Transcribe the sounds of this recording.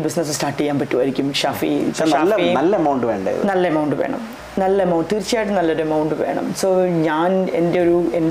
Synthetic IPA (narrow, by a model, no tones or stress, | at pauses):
bisnɐs̬ɨsʈaːʈːiejːaːnpɐtːuʋɐɾikʲːumɕaːfḭaːɐnɐlːɐɐmɐwɳɖɨʋeːɳɖɐ̰j̰nɐlːɐeɐmɐwɳɖɨʋeːɳɐ̰m | nɐlːɐɐmɐwɳɖt̪iːrt͡ɕːijaːjʈ̬ːɨnɐlːɐoɾuɐmɐwɳɖɨʋe̞̰ːɳɐ̰mso̞ːɲaːnende̞o̞ɾuen